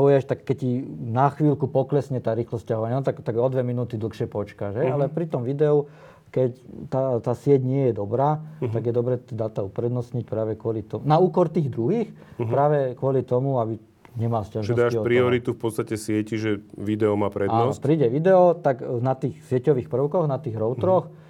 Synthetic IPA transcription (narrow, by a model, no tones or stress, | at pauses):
ujɛʃt̪akːɛc̚cinaxʋiːlkupɔklɛsɲɛt̪aːɾiːxlɔscaɦɔʋaɲanɔt̪aɡt̪aɡɔd̪ʋɛminuːt̪id̪l̩xʃɪɛpɔt͡ʃkaʒɦɛalɛpɾit̪ɔmʋid̪ɛɔ | kɛct̪at̪aːsɪɛcɲɪɛjɛd̪ɔbɾaːt̪aɡjɛd̪ɔbɾɛːt̪ɛd̪aːt̪aupɾɛd̪nɔsɲic̚pɾaːʋɛkʊɔlit̪ɔnauːkɔɾt̪iːɣd̪ɾuɦiːx | pɾaːʋɛkʊɔlit̪ɔmuabi | ɲɛmalscaʒnɛɔd̪aʃɔpɾiɔɾit̪ufpɔt̪st̪acɛsɪɛciʒɛʋid̪ɛɔmaːpɾɛaːnɔspɾiːɟɛʋid̪ɛɔt̪aknat̪iːxsɪɛcɔʋiːxpr̩ʊkɔɣnat̪iːɣɾɔʊt̪ɾɔx